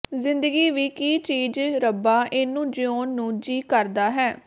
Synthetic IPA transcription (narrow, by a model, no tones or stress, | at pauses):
zɪ̃nd̪əɡiːʋiːkiːt͡ʃiːd͡ʒɾəbaːʔɪnũːd͡ʒɪõːnːũːd͡ʒiːkəɾd̪aːɦɛː